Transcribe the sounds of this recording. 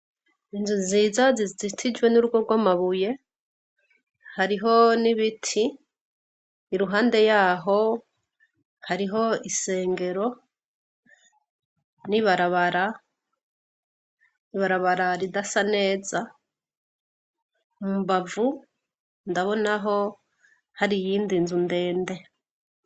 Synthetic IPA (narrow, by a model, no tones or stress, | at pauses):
inzuziːzazizizitʰid͡ʒwe̞nuɾuɡo̞ɡwamaβuje̞ | haɾiɦo̞niβitʰi | ɾuɦaːnde̞jaːɦo̞ | haɾiɦo̞ise̞ːŋɡe̞ɾo̞ | niβaɾaβaɾa | iβaɾaβaɾaɾidasane̞ːza | mumbavu | ndaβo̞naɦo̞ | haɾijiːndinzunde̞ːnde̞